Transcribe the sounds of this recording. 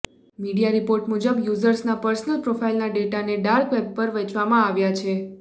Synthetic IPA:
miɽijaɾipoɾʈmud͡ʒəbjuzəɾsnapəɾsnəlpɾofʰailnaɖeʈaneɖaɾkʋɛb̚pəɾʋet͡ʃʋamãaʋjat͡ʃʰe

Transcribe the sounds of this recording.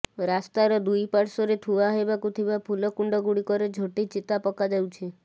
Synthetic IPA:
ɾast̪aɾɔd̪ujpaɽsɔɾet̪ʰuaɦebakut̪ʰibapʰulɔkuɳɖɔɡuɽikɔɾed͡ʒʱoʈit͡ʃit̪apɔkad͡ʒawt͡ʃʰi

